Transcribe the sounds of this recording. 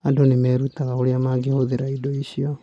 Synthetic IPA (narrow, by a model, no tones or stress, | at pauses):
adonemɛːɾutaɣaoɾeamaːɡehoðeɾaidoiɕiɔ